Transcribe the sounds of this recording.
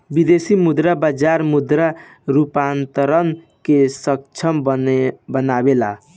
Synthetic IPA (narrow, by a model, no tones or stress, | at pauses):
bid̪esimud̪ɾabad͡ʒaɾmud̪ɾa | ɾupant̪əɾən | kesək̚t͡ʃʰəmbbənabela̰